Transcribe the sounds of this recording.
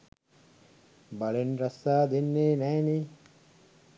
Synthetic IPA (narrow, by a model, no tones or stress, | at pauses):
bɐɭenɾɐsːaːd̪inːeːnɐjni